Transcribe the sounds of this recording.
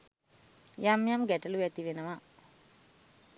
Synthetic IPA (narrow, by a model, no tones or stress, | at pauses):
jamjamɡɛʈəluʋɛt̪iʋenəʋa